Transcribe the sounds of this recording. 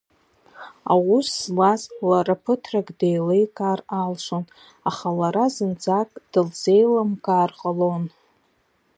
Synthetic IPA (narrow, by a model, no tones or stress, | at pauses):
a̰wuszlazlaɾapʰɨtʰraɡʼdejlejkʼaːralʂʷon | aχalaɾazɨnd͡zakʼd̥ɨlze̞jlamkʼaːrqʼalo̞n